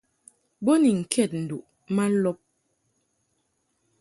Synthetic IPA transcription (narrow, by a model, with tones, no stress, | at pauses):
bo˦ni˨ŋ̩˨kʰɛ˦˨t̚n̩˨du˨ʔ | ma˦lɔ˦p̚